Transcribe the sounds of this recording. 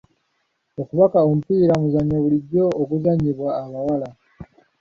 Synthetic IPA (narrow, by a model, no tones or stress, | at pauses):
okuβakaomupiːɾamuzaɲoβuliɟoːkuzaɲiβwaːβawala